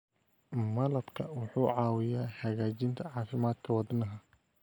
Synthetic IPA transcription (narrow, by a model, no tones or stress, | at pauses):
mɐlɐbkʰɐwɑħuːʕɑːwɪjaːhɐɣaːt͡ʃɪnt̪ʰɐʕɑːfɪmaːd̪kʰɐwɑd̪nɐɦɐ